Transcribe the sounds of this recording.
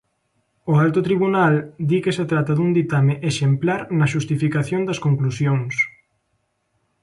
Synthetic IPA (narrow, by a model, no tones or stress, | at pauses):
ʊalt̪ʊt̪ɾiβunald̪ikeset̪ɾat̪ɐðuŋd̪it̪amɪʔeʃemplaɾnɐʃust̪ifikaθjoŋd̪ɐskoŋklusjoŋs